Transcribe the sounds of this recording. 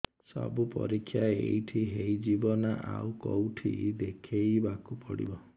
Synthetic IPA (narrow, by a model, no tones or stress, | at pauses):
sɔ̰bupɔ̰ɾikʰːjaeḛjʈʰiɦejd͡ʒibɔnaʔawkɔwʈʰḭd̪ekʰejbakupɔɽḭbɔ